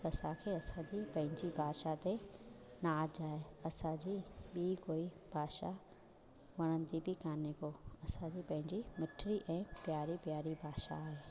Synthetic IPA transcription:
kɐsãkʰeːɐsãd͡ʑiːpɐ̃ɦɪ̃ɲd͡ʑibʱaːʃat̪e | nad͡ʑaːɦeɐsãd͡ʑiːɓikoːi | bʱaːʃa | ʋɐɽ̃ə̃nd̪ibʱɪkʰaːnekoɐsãd͡ʑiːpɐ̃ɦɪ̃ɲd͡ʑimɪʈʰɾiʔɛ̃ːpjaːɾipjaːɾibʱaːʃa̰ːɦeː

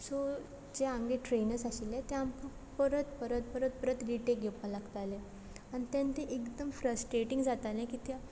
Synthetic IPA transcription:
so | d͡ʑeãŋɡeʈɾenəɾsaɕilet̪eampə | pəɾət̪pəɾət̪̚pəɾət̪̚pəɾət̪ɾiʈekɡepːãlaɡt̪ale | añit̪ãnt̪eʔekd̪əmfɾəsʈɾeʈiŋɡd͡zat̪alẽkiːt̪a

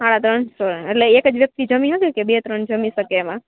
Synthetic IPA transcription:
aɽ̃at̪ɾənsoɾeʈleːkəd͡ʒʋjək̚t̪id͡ʒəmĩɦət̪ikebet̪ɾənd͡ʒəmĩʃəkeːmã

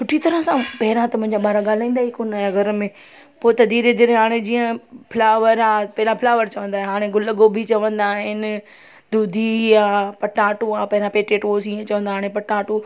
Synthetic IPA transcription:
sʊʈʰit̪ɐɾəɦsãpɐɦɪɾãt̪ɐmʊ̃ɪɲd͡ʑaɓaːɾaɠaːl̤aːĩːnd̪aːɦikonajaɡɐɾmẽ | poːt̪ɐd̪ʱiːɾed̪ɪɾɦaːɽ̃ed͡ʑĩːə̃pʰlaːʋəɾaːpɐɦɪlãpʰɪlaːʋəɾt͡ɕɐʋə̃nd̪aːɦẽɦaːɽ̃ẽɡʊlɡobʱit͡ɕɐʋə̃nd̪aːɦɪnɪ̆ | d̪uːd̪ʱiãːpɐʈaːʈũãːpɐɦɪɾãpeːʈeːʈʋoːsiːə̃t͡ɕɐʋə̃nd̪aːaːɽ̃ẽpɐʈaːʈũ

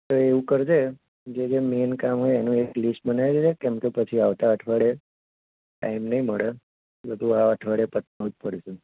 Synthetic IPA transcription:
t̪oeʋũkəɾd͡ʒe | d͡ʒed͡ʒemenkamɦojenũeklisʈbənajɾid͡ʒekɛ̃mkepət͡ʃʰiaʋt̪aəʈʰʋaɽe | ʈa̰jmnəɦĩməɭe | bəd̪ʱuaəʈʰʋaɽepət̪naut̪pəɽese

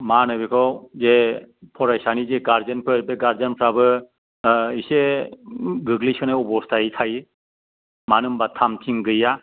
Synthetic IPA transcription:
manɯbikʰɔwzepʰɔɾajsanizeɡaɾzɯnpʰɯɾbeɡaɾzanpʰɾabɯ | ise | ɡɯɡlisɯnaɔbɔstʰaitʰaj | manɯmbatʰamtʰiŋɡɯja

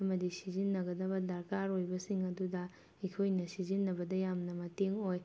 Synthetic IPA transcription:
ɐmɐdisizinːɐɡɐdɐbɐdɐɾkaɾojbɐsiŋɐdudɐ | ikʰojnɐsizinːɐbɐdɐjamnɐmɐteŋoj

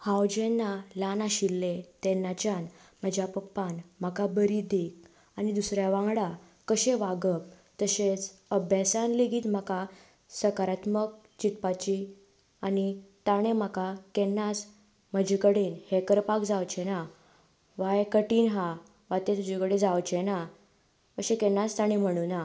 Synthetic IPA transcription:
hãwd͡ʑenːalanaɕilːet̪enːat͡ɕanm̤əd͡ʑjapəpːanm̤əkabəɾid̪ek̚ | anid̪usɾjaʋãŋɡɽa | kəɕẽʋaɡəp̚ | t̪əɕet͡səbʱjasanliɡiːt̪m̤əka | səkaɾat̪mək̚ | t͡ɕit̪pat͡ɕi | anit̪aɽ̃em̤akakɛnːas | m̤əd͡ʑʱikəɽiːnhekəɾpakd͡zawt͡ɕena | ʋajkəʈiːnɦa | ʋat̪ẽt̪ud͡ʑikəɽed͡zawt͡ɕena | əɕẽkɛnːast̪aɽ̃im̤əɽ̃una

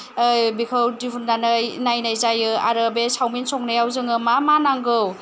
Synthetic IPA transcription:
bikʰawtipʰundanajnajnajzajɯa̰ɾɯbesawminsʰɔk̚najawzɯŋɯmamanaŋɡɯw

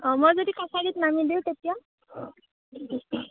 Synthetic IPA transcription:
ɔmojzodikasaditnamidiwtetija

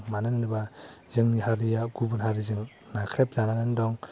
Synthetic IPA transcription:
manɯnːɯbazɯŋniɦaɾɯjaɡubunhaɾizɯŋ | nakʰɾep̚zananɯndɔŋ

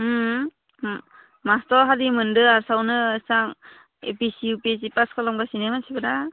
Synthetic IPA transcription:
mastɔɾɦadimɯndɯaɾsawnɯsaŋ | ḛpisiupesipaskʰɔlɔmɡasinemansʰibɯda

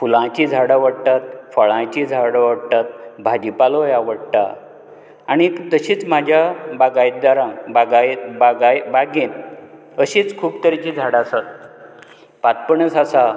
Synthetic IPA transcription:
fulãt͡ɕid͡zʱaɽaʋəɽt̪at̪̚fəɭãt͡ɕid͡zʱaɽaʋəɽt̪at̪̚bʱad͡ʑipalojaʋəɽt̪a̰ː | ɽ̃it̪əɕiːt͡sm̤ad͡ʑʱjabaɡajt̪d̪aɾãbaɡabaɡajbaɡen | əɕiːt͡skʰuːbt̪əɾit͡ɕiːd͡zʱaɽasat̪̚ | pat̪̚pəɳəsasa

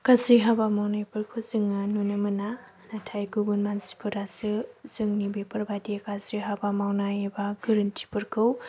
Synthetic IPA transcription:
kazɾiɦabamawnajpɯɾkʰɯwzɯŋanunamɯna | natʰajɡɯbunmansi̥pʰɯɾasɯzɯŋnibepɯɾbadikazɾiɦabamawnajebaɡɯɾɯntʰi̥pɯɾkʰɯw

